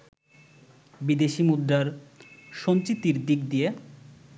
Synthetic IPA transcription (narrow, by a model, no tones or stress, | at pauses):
bid̪eʃimud̪ɾaɾʃont͡ɕit̪ːiɾd̪ik̚d̪ije